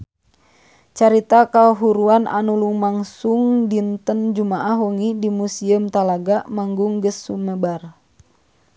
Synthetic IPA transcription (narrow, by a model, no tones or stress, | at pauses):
t͡ʃaɾit̪akaoɦuɾuana̰nuluŋmaŋsuŋdint̪ənd͡ʒumaʔahwoŋidimusiəmt̪alaɡaʔmaŋɡuŋɡəsːuməbar